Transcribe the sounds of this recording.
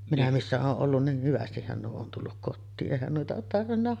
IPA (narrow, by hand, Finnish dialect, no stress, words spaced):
minæ misːæ oːʔ ʔolːun nih hyʋæstihːæn nuo on tulːuk kotːiːʔ ʔeˑihæn nuitɑ oːt tɑrʋinːɑ